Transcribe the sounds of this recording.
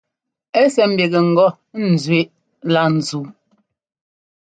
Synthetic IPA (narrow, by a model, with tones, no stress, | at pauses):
ɛ˦sɛ˨m̩˦be˨ɣe˨ŋ̩˨ɡɔ˦˨ | n̩˨zɥe˦ʔ | la˦˨n̩˨zu˨˦